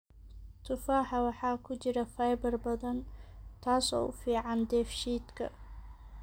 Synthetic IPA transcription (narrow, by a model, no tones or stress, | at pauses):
t̪ʰʊfaːħɑwɑħɑːkʰʊt͡ʃɪɾɐfɐjbɐrbɐðɐnt̪ʰaːsɔ̰ːʔʊfiːʕɑnd̪ɛːfʃiːd̪kʰɐ̰